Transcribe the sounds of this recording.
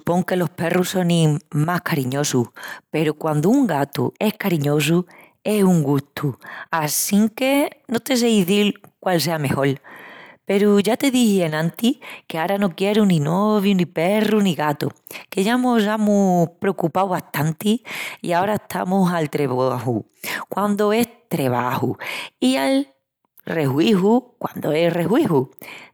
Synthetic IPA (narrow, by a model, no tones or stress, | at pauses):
supo̞ŋke̞lo̞hpe̞ruso̞nĩmahkaɾiɲo̞suhpe̞ɾukwand̪uːŋɡat̪ṵe̞hkaɾiɲo̞s̬u | e̞suŋɡuht̪ʰuasiŋke̞no̞t̪e̞s̬eiðilkwalse̞ame̞ho̞lpe̞ɾuʝat̪eðihienãnt̪ikeaɾanokjeɾuninoβjunipe̞runiɣat̪o̰keʝamos̬amupɾeokupawβaht̪ant̪iḭaoɾaeht̪ʰa̰musalt̪ɾeβahu | kwand̪oe̞st̪ɾe̞β̞a̰huial | re̞hwihukwa̰nd̪oe̞sre̞hwihu